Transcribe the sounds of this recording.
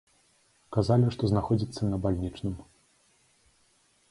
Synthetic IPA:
kazalʲiʂt̪ɔznaxɔd͡zʲit̪sːɐnɐbalʲnʲit͡ʂnɨm

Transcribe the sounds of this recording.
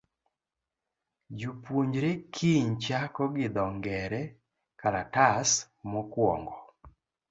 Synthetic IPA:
d͡ʒupwoɲd͡ʒɾekʰiɲt͡ʃakɔɡɪd̪ɔŋɡɛɾɛ | kaɾatas | mɔkwɔ̰ŋɡɔ

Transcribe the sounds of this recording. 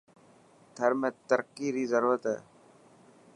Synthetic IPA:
t̪ʰəɾmẽːt̪əɾkiːɾiːzəɾuːɾət̪ɦɛ̰ː

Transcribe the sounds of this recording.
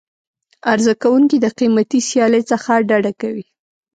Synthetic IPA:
aɾzakawuŋkid̪əqimat̪isjɑlet͡səxaɖaɖakawi

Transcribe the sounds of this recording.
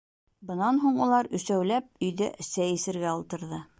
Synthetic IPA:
bɤ̆nɑnɦuɴulˠɑɾɵ̆sæwlæp̚ɵ̆jðæ̰ʔɘsæjɘ̆sɘ̆ɾɡæɒlˠt̪ɤ̆ɾðɤ

